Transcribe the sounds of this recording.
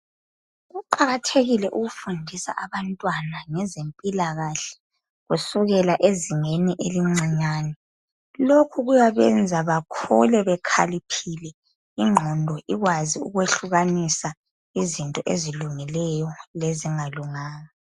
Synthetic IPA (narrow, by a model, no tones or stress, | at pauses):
ɣuǃaɣatʰeɣilɛʔuɣufundʱisa̰ʔaβantʼwanaŋɛzempʼilaɣaɬɛ̥ | ɣusuɣɛlaʔeziŋeniʔeliŋ͡ǀʱiɲaːnɛ | lokʰuɣujaβɛnd͡zʱaβakʰṵlɛβɛkʰalipʰilɛ | iŋ͡ǃʱɔndʱɔʔiɣwaziṵɣweɬuɣanisa | izintʼɔʔeziluŋilɛjɔleziŋaluŋaːna